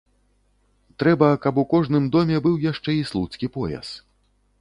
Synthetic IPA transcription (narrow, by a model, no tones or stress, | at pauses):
t̪ɾɛbɐkɐpukɔʐnɨmd̪ɔmʲɛbɨwjaʂt͡ʂɛislˠut̪skʲipɔja̰s